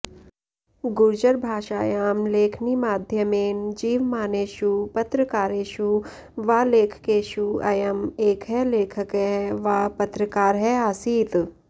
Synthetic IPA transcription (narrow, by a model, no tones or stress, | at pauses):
ɡʊɾd͡ʒəɾbʱaːʃaːjaːmleːkʰnimaːd̪ʱjəmeːnd͡ʒiːʋmaːneːʃupɐt̪ɾəkaːɾeːʃu | ʋaːleːkʰə̥keːʃuɐ̰jɐmeːkʰɦɛleːkʰəkɛʋaːpɐt̪ɾəkaːɾɦɛaːsiːt̪